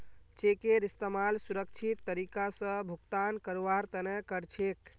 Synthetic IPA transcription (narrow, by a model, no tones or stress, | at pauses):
t͡ʃekeɾist̪əmalsuɾəkt͡ʃʰit̪ːəɾikasə̃bʱukt̪ankəɾaɾt̪ənɛkəɾt͡ʃʰek